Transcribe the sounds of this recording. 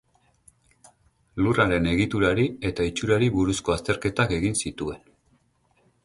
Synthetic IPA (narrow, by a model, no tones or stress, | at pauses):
luraɾe̞ne̞ɣit̪uɾaɾie̞t̪ait͡ʃuɾaɾiβuɾusko̞ast̪e̞ɾke̞t̪ake̞ɣinsit̪ue̞n